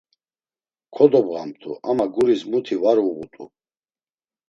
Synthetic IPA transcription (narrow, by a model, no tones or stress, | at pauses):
kʰɔd̪ɔbʁamt̪ʰṵʔamaɡuɾismut̪ʰivaɾuʁṵt̪ʼṵ